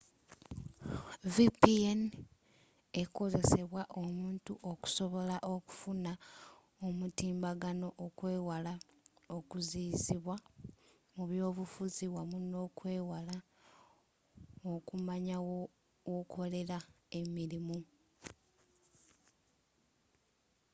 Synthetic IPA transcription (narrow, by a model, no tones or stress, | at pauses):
vipien | eko̞ze̞se̞βwaʔo̞muːntuʔo̞ku̥so̞βo̞laʔo̞ku̥funa | omutiːmbaɡano̞ʔokwe̞ːwalao̞kuziziβwa | muβjo̞ːβufuziwamuno̞ːkwe̞ːwala | okumaɲawo | wokʰo̞le̞ɾa | e̞miɾimu